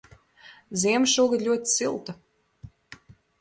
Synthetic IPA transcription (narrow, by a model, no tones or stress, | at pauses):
zʲiɛmʃuɔɡad̪lʲuɔt̪silˠt̪a